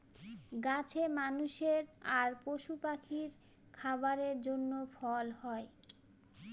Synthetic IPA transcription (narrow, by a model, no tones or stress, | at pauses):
ɡat͡ɕʰemanuʃeɾaɾpoʃupakʰiɾ | kʰabaɾeɾd͡ʑonːofɔlhɔe